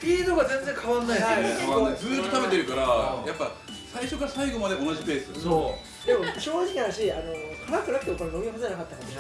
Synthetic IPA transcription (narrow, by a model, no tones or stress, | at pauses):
pʲiinoɡazẽ̞nd͡zẽ̞ŋkʰaβãnːaiaiozɨːt̪ːot̪abe̞t̪e̞ɾɯ̟kaɾajapːa | saiɕo̞kaɾasaiɡo̞mad̪e̞o̞naʑipe̞ːsɨso | d̪e̞mo̞ɕo̞ːʑikaɕiano̞kʰamakɯnakɯ̟t̪emokononobʲiɯɦozod͡ʑanakat̪ːankea